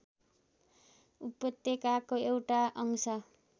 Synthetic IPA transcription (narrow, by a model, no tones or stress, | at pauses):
upːʌt̪ːekakoewʈaʔʌŋsʌ